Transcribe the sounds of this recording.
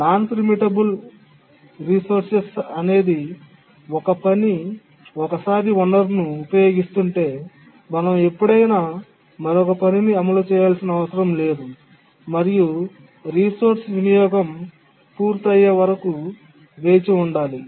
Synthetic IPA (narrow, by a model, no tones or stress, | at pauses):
naːnpiɾmiʈɐbul | ɾisoɾsesɐne̞ːd̪i | ɔkɐpɐni | ɔkɐsaːɾiʋɐɳɖɐɾnuːpɐjo̞ːɡist̪uɳʈe̞ː | mɐnɐme̞pːuɽɐjnaː | mɐɾɔkɐpɐniniɐmɐlut͡ʃɛːjaːlsinɐʋɐsɐɾɐmle̞ːd̪u | mɐɾiju | ɾiːsoːɾsʋinijɔːɡɐm | puːɾt̪ɐjːeːʋɐɾɐku | ʋe̞ːt͡ʃiuɳɖaːli